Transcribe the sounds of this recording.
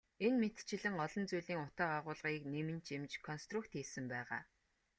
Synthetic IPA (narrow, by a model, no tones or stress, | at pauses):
enmet̪t͡ɕɪ̆ɮɘ̆ŋɔɮɞ̆nt͡sujɮiːŋʊt̪aːqaʁʊːɮʁiːknemɘ̆nt͡ɕemt͡ɕkʰɔnst̪rukt̪esɘ̆mpæːʁa̰ː